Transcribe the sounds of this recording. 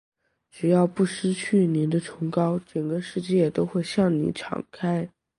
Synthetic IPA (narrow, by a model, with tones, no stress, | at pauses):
ʈ͡ʂɻ̩˨˩jɑ˥˧ʊpu˥˩ʂɻ̩˥t͡ɕʰy˥˩ni˧˥nd̪ə˧ʈ͡ʂʰʊ˧˥ŋkɑ˥ʊʈ͡ʂə˨˩ŋɡə˦ʂɻ̩˥˧t͡ɕjɛ˥˩˨t̪o˥ʊxwe˥˧ɪɕjɑ˥˩ŋnḭ˧˥ʈ͡ʂʰɑ̰˨˩ŋkʰa˥ɪ